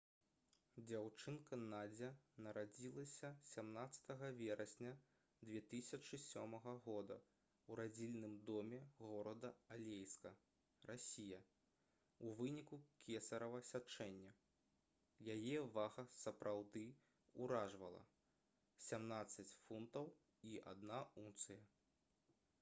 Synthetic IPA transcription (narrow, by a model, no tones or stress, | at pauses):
d͡zʲawt͡ʂɨnkɐnad͡zʲɛnɐɾad͡zʲilˠɐsʲɐsʲamnat̪sɐ̥t̪ɐɣɐvʲɛɾʔɐsʲnʲɐ | d̪vʲɛt̪ɨsʲɐt͡ʂɨsʲɔmɐɣɐɣɔd̪ɐ | uɾad͡zʲilʲnɨmd̪ɔmʲɛɣɔɾɐd̪ɐalʲejskɐ | rʔasʲijɐ | uvɨnʲikukʲʰɛsɐɾɐvɐsʲat͡ʂɛnʲːɐ | jajɛvaɣɐsɐpɾʔawd̪ɨ | uɾaʐvɐlˠɐ̰ | sʲamnat̪sːɐt͡sʲfunt̪ɐw | iʔa̰d̪naunt̪sɨjɐ